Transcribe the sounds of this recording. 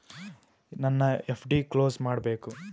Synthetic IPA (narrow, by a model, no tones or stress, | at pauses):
nɐnːɐepʰɖikloːsmaːɽbe̞ːku